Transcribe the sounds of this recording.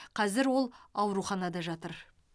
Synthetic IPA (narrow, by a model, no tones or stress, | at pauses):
qʰɑzɪɾwo̞lˠɑwɾuχɑnɑd̪ɑʒɑt̪əɾ